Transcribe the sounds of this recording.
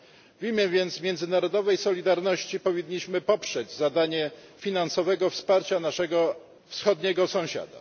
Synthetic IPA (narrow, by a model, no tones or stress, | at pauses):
vʲimʲjɛvʲjɛnd̪smʲjɛnzɘnaɾɔd̪ɔvɛjsɔlʲid̪aɾnɔɕt͡ɕipɔvʲiɲːiɕmɘpɔpʂɛd͡ʑzad̪aɲɛ | fʲinansɔvɛɡɔfspaɾt͡ɕanaʂɛɡɔ | fsxɔd̪ɲɛɡɔsɔ̃w̃ɕa̰d̪a̰